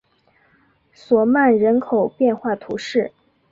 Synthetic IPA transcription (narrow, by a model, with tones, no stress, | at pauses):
swɔ˨˩ma˥˩nɻə˧˥nkʰo˨˩ʊpjɛ˥˧nxwa˥˩t̪ʰu˧˥ʂɻ̩˥˩